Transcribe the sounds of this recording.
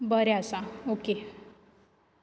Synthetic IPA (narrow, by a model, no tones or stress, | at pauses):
bəɾeasaoke